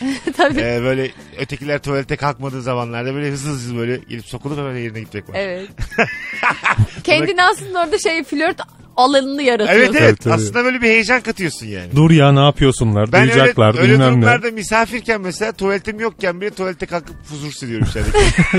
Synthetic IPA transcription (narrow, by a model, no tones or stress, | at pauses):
t̪ʰabiiːbø̞jlʲɛøt̪ʰecilʲæɾt̪ʰovælʲt̪ʰɛkʰalˠkmad̪ɯːzamanlˠaɾd̪abøjlʲɛɦɯzˠd͡ʒɯzˠbø̞jlʲɛɟelʲipso̞kulˠuphɛmænejeɾinɛɟit̪̚d͡ʒɛclˠaɛvɛt̪ | cʰɛnd̪iniasˠɯnd̪aoɾd̪aʃejfilʲøɾt̪ | alˠanɯnɯjaɾat̪evɛt̪evɛt̪ʰasˠɯnd̪abøːlʲebihe̞jed͡ʒankat̪ʰɯjo̞sunja̰ːnɪd̪uɾjanaːpʰɯjosunlˠaɾdbæujud͡ʒaɛlˠaɾøynelʲæmlʲˠaɾd̪amisaːfiɾcænmeselʲaːt̪ʰovælʲt̪ʰimjo̞k̚cænbøːlʲɛt̪ʰovælʲt̪ɛkalˠkɯp̚huzuɾsɯɾijoummiʃæɾd̪e